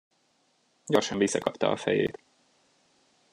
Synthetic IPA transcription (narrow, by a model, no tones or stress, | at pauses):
ɟɒrʃɒɱvisːɒkɒpt̪ɒɒfɛjḛːt̪